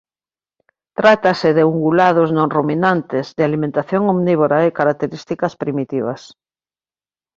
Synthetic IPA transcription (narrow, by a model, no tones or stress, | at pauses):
t̪ɾat̪asɪðeuŋɡulað̞oznõŋruminant̪ɪzðealimẽnt̪aθjoŋomniβ̞oɾaekaɾak̚t̪eɾist̪ikɐspɾimit̪iβɐ̰s